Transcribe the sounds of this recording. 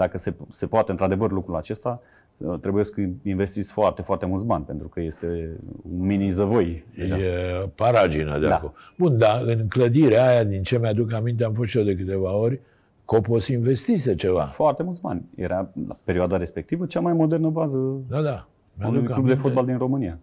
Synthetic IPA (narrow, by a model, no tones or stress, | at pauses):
d̪̥akəsese̞poat̪ent̪ɾad̪e̞vərlukɾulat͡ʃe̞st̪a | ət̪ɾe̞bujeskəinve̞st̪isfoart̪e̞foart̪e̞mult̪s̬banʲpent̪ɾukəje̞st̪eunminizəvojejʒaepaɾad͡ʒinə̰d̪ea̰akolbund̪aɨnkləd̪iɾeajad̪int͡ʃe̞mead̪ukamint̪̬eaɱfosʃiod̪e̞k̬ɨt̪e̞vao̞ɾʲ | ko̞pot̪sinve̞st̪iset͡ʃe̞va̰foart̪emult̪ba̰nʲjḛɾala̰pe̞ɾioad̪aɾe̞spek̚t̪ivət͡ʃamajmo̞d̪ernəbazəd̪ad̪a | meaunukklubd̪efot̪̚bald̪inro̞mɨnija